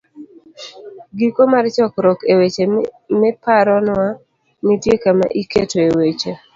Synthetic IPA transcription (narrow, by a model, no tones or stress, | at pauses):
ɡikomart͡ʃɔkɾɔkewet͡ʃe | mɪpaɾɔnwa | nitjekama̰ʔiketoewet͡ʃe